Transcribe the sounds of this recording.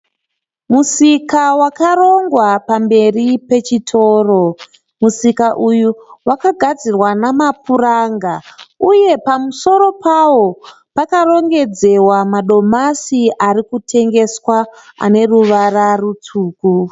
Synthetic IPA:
musikawakaɾo̞ŋɡwapambe̞ripe̞t͡ʃitʰo̞ːro̞ | musikaʔujuwakaɡʱad͡zirwanamapuraŋɡauje̞pamuso̞ɾo̞pʰawo̞ | pakaro̞ŋɡe̞d͡ze̞wamaɗo̞masiʔaɾikutʰe̞ŋɡe̞swaa̰ne̞ruʋararut͡suːku

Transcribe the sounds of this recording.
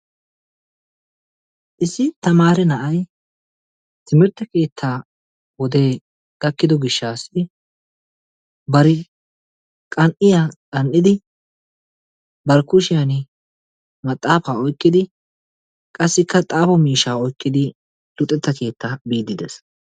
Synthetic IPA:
ʔɪsɪt̪ɐmaːɾɛnɐʔɐj | t̪ɪmɪɾt̪ːɐke̞ːt̪ʰːaː | wɔd̪e̞ː | ɡ̥ɐkːɪd̪ɔɡɪʃːaːsːɪ | bɐɾɪ | kʼɐnʔɪjakʼɐnʔɪd̪ɪ | bɐɾkʊʃɪjan | mɐt̪ʼːaːfaːɔjkʼːɪd̪ɪ | kʼɐsːɪkʰːɐt̪ʼaːfɔmiːʃaːɔjkʼːɪd̪ɪ | dʊt̪ʼːɛt̪ːɐke̞ːt̪ːabiːd̪ːɪd̪ɛs

